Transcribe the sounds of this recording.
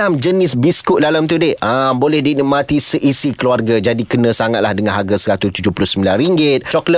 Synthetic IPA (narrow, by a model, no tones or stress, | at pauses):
amd͡ʒənɪsbiskuʔ̚dalamt̪udɪəmbolɛhdinimãt̪isəʔisikəluarɡad͡ʒadikənə̃saŋat̪̚lahdəŋãnɦaɡasəɾat̪ust̪ud͡ʒupulʊhsəmbilanriŋɡɪt̪̚t͡ʃɔklə